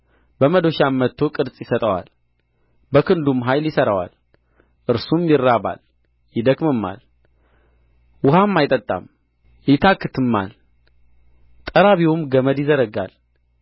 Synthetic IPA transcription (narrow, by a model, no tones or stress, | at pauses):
bəməd̪o̞ʃamːət̪ʰːo̞kʼɨɾsʼjɪsət̪ʼəwa̰l | bəkɨnd̪umɦajljɪsəɾəwa̰l | ʔɨɾsumjɪrːaβa̰l | jɪd̪əɡmɨmːa̰l | wʊhamːajt̪ʼət̪ʼːa̰m | jɪt̪ʰakːɨt̪ʰɨmːa̰l | t̪ʼəɾaβiwumɡəməd̪jɪzəɾəɡa̰l